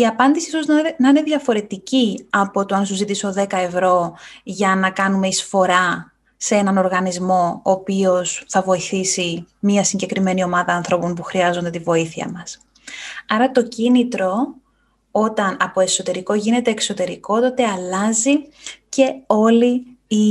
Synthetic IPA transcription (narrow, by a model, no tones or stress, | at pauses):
iɐpɐnd̪isiisoznɐine̞ðʝɐfo̞ɾe̞t̪iciɐpo̞t̪oɐns̬uzit̪iso̞ðe̞kɐe̞vɾo̞ʝɐnɐkɐnume̞isfo̞ɾɐ | see̞nɐno̞ɾɣɐnizmo̞opio̞sθɐvo̞iθisimiɐsiɲɟe̞kɾime̞nio̞mɐðɐːnθɾo̞ponpuxɾiɐzo̞nd̪e̞t̪ivo̞iθiɐ̰mɐs | ɐɾɐt̪o̞cinit̪ɾo̞ | o̞t̪ɐnɐpo̞e̞so̞t̪e̞ɾiko̞ʝine̞t̪e̞ːkso̞t̪e̞ɾiko̞t̪o̞t̪e̞ɐlɐzice̞o̞lii